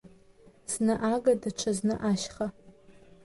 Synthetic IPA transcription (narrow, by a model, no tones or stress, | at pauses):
snɨʔaːɡɐdɐʈ͡ʂʰɐznɨʔaːʃχɐ